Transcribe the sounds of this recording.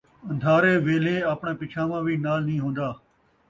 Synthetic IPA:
ə̃nd̪ʱaːɾeːʋeːleːaːpɳãːpɪt͡ʃʰãːmãːʋiːnaːlnĩːɦõːnd̪aː

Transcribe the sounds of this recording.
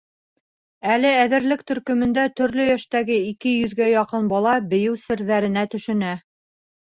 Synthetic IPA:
ælɘæðɘ̆ɾlɘk̚t̪ɵ̆ɾkɵ̆mɘ̆nd̪æt̪ɵ̆ɾlɵjæʃt̪æɡɘikɘjɵ̆ðɡæjɑqɤnbɑlˠɑbɘ̆jɘwsɘ̆ɾðæɾɘ̆næt̪ɵ̆ʃɘ̆næ

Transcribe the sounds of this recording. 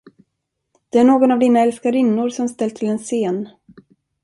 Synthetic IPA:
d̪̥ɛæɳoːɡɔnavd̪iːnaɛlskaɾɪnːʊɾsɔmst̪ɛlt̪ʰɪlɛnseːn

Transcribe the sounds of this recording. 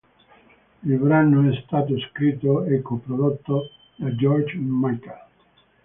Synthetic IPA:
ilbɾanoɛst̪aːt̪̬oskɾit̪ːoɛkːopɾod̪ot̪ːo | d̪ad͡ʒɔrt͡ʃmajkal

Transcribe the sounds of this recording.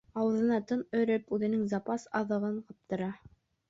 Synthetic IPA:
ɑwɤ̆ðɤ̆nɑt̪ɤnɵ̆ɾɘpʉðɘ̆nɘŋzɑpɑsɑðɤ̆ʁɤɴqɑp̚t̪ɤ̆ɾɑ

